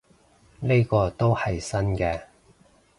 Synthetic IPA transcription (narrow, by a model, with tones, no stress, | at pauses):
ne˥jkɔː˧t̪o˥whɐ˨jsɐ˥nkɛː˧